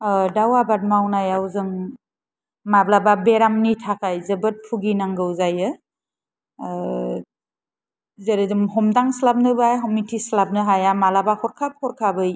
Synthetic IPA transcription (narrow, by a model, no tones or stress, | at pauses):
dawabat̚mawnajawzɯŋ | mablababeɾamnitʰakajzɐbɯt̚pʰuɡinaŋɡɯwzajɯ | zeɾɯdɯmɦɔmdaŋslap̚nɯbajɦɔmitʰislab̚nɯɦajamalabahʰɔɾkʰap̚kʰɔɾkʰabɯj